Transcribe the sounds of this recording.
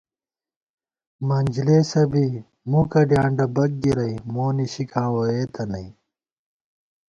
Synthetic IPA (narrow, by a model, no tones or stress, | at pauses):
mɐnʲd͡ʑleːsɐbi | mukɐɖjãːɳɖɐbɐk̚ɡiɾɐjmoːniɕikãːwojeːt̪ʰɐnɐi